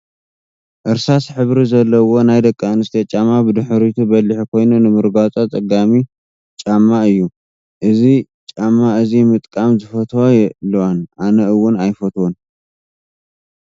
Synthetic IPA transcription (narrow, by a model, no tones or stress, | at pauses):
ʔɨɾsasħɨβɾizɐlːɐwo̞najd̪ɐkʼːanɨst̪ʰɐt͡ʃʼamabɨd̪ɨħɾit̪ʰubɐlɨħikʰo̞jnunɨmɨɾɡat͡sʼat͡sʼɐɡami | t͡ʃʼamːaɨjːu | ʔɨzi | t͡ʃʼamːaʔɨzimɨt̪ʼkʼamzɨfɐt̪ʰwajɛʔlːwanʔanɐɨwːʊnajfɐt̪ʰwon